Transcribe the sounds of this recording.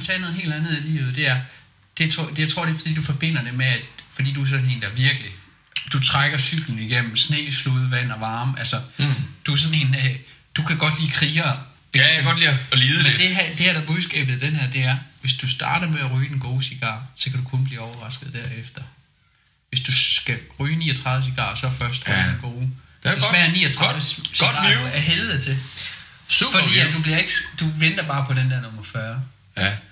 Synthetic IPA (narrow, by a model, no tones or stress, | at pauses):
t͡sʰɛːno̽ːð̩ˠe̝̰ːld̥ænð̩ˠilḭːʊð̩ˠd̥e̝æɐ | d̥e̝t͡sʰo̥ejäɪt͡sʰʁo̝ɐ̰ɾ̥e̝fɒ̽d̥ḭːd̥ufɒ̽b̥e̝n̰ɐd̥e̝meæd̥fɒ̽d̥ḭːd̥uæɐs̬ɒ̽n̩e̝̰ːnd̥ɑɐʋiɐɡ̥əli | d̥ut͡sʰʁaɡ̥ɐsyɡ̥l̩n̩iɡ̥em̰m̩snḛːsluðˠʋæn̰ɒ̽ʋɑ̈ːmælsɐd̥uæɐsɒ̽ne̝ːne | d̥ukʰæɡ̥ɒ̽d̥liːkʰʁiːɐ̥ | eɡ̥ɒd̥liːlið̩ˠmed̥e̝ɦæd̥e̝æɐd̥ɑb̥uðˠsɡ̥ɛ̰ːb̥ð̩ˠd̥enhæɐ̰d̥e̝æɐʋe̝sd̥usd̥ɑ̰̈ːd̥ɐmeæʁyːd̥enɡ̥o̝ːsiɡ̥ɑ̰̈ːsɒ̽kʰæd̥ukʰɔ̽nb̥liːɒʊɐʁɑ̈sɡ̥ð̩ˠd̥æɐefd̥ɐ | ʋe̝sd̥uɡ̥æʁyːnḭːɒt͡sʰʁɑ̈ð̞ˠʋ̩əs̬iɡ̥ɑ̰̈ːsɒ̽fɶɐsd̥ʁɑdenɡ̥o̝ː | sɒsmæːɐnḭːɐt͡sʰʁɑðˠʋəssæɐɦeðð̩ˠt͡sʰe̝ | subfɒdd̥ḭːd̥ubliɐe̝ɡ̥əd̥uʋen̰d̥ɐb̥ɑ̈ːpʰɒ̽d̥end̥æɐnɔ̽mɐfɶːɐ